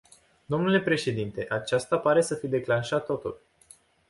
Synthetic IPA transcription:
d̪o̞mnule̞pɾe̞ʃe̞d̪int̪e̞ʔat͡ʃast̪apaɾe̞səfijd̪e̞klanʃat̪ːo̞t̪ul

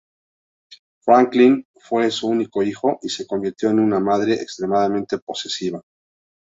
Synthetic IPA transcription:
fɾaŋklin | fwe̞suuniko̞ixo̞ʔise̞ko̞mbiɾt̪jo̞enunamaðɾe̞ʔḛkst̪ɾe̞maðamẽ̞nt̪e̞po̞se̞siβ̞a

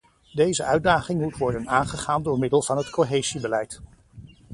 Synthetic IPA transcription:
dejzəœɥdaːχɪŋmutʋɔɹdənaːnχəχaːndʊːɹmɪdəlˠv̥ɑnɦətkoɦejzibəlɛjt

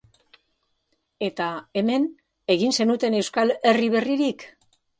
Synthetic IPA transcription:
e̞t̪ae̞me̞n | e̞ɣ̞inse̞nut̪e̞ne̞wskale̞riβ̞e̞riɾik

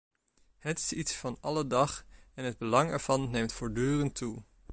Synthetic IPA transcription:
hətɪ̥sitsfɑnɑlədɑχɛnɦəd̚bəlɑŋɛɹv̥ɑnːejmtfɔɹdyːrəntːu

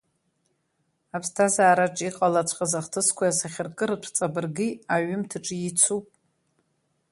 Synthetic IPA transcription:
apʰstʰazaːɾaʈ͡ʂʼiqʼalat͡ɕʷʰqʼazaχtʰɨskʷʰajasaχʲɪrkʼɨɾɨʈ͡ʂʷʰt͡sʼabɨrɡiaɥɪmtʰɨʈ͡ʂʼjit͡sʷʰupʼ

